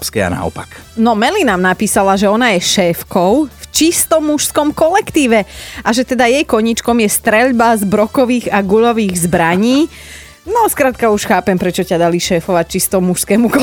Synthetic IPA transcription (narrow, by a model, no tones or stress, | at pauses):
pskɛa̰na̰ɔ̰paknɔmɛlinamnapiːsalaʒɛɔnajɛʃɛːfkɔʊft͡ʃist̪ɔmːuʃskɔmkɔlɛkt̪iːʋɛʔaʒɛt̪ɛd̪ajɛjkɔɲit͡ʃkɔmjɛst̪ɾɛʎbazbɾɔkɔʋiːɣaɡuʎɔʋiːɣzbɾaɲiː | nɔskɾaːt̪̚kauʃxaːpɛmpɾɛt͡ʃɔcad̪aliʃɛːfɔʋac̚t͡ʃist̪ɔmuʃskɛːmukɔ